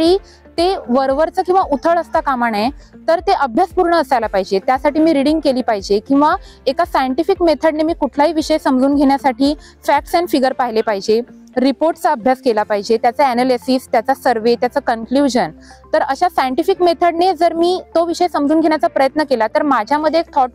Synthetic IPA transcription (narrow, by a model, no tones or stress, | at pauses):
ɽiː | t̪eʋəɾʋəɾt͡səkĩw̃ʋaut̪ʰəɭəst̪akamaɳet̪əɾt̪eʔəbʱjaspuɾɳəːsajlapaɦid͡ʑet̪jasaʈiːmiːɾiɽiŋɡkeliːpaɦid͡ʑekĩw̃ʋaekasajəɳʈifikmet̪ʰəɽnemiːkuʈʰlaɦiːʋiɕəjsəmd͡zuːnɡʱeɳjasaʈʰiː | fæk̚ʈsɛnfiɡəɾpaɦilepaɦid͡ʑe | ɾipoɾʈt͡saəbʱjaskelapaɦid͡ʑet̪jat͡səenelisiːst̪jat͡sasəɾʋet̪jat͡səkənkljuʑənt̪əɾəɕasajəɳʈifikmet̪ʰəɽned͡zəɾmiːt̪oʋiɕəjsəmd͡zuːnɡʱeɳjat͡sapɾəjət̪nəkelat̪əɾmad͡ʑʱjaməd̪ʱːjekt̪ʰɔʈ̚